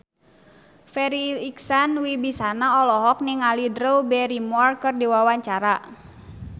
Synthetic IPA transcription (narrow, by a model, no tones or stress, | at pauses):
fɛɾiliksanwibisanaɔlɔɦɔk̚niŋalidɾəwbɛɾimɔrkɨrdiwawaɲt͡ʃaɾa